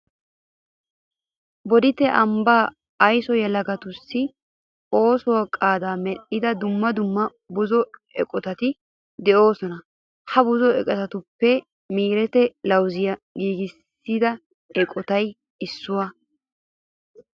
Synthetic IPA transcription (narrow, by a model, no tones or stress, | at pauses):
bɔd̪ɪt̪ɛʔɐmbaː | ɐjsɔjɛlɐɡɐt̪ʊsːɪ | o̞ːsɔwɐkʼaːd̪aːmɛɗːɪd̪ɐd̪ʊmːɐd̪ʊmːɐ | bʊzɔɛ̰kʼɔt̪ɐt̪ɪ | d̪ɛʔo̞ːsɔnɐ | hɐbʊzɔɛkʼɛt̪ɐt̪ʊpːɛ | miːɾɛt̪ɛlɐwzɪjɐɡiːɡɪsːid̪ɐ | ɛkʼɔt̪ɐj | ɪsːʊwɐ